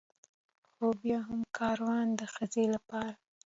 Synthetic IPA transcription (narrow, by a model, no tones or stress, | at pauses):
xobjɑɦamkʰɑɾwɑnd̪əxəzelapɑɾa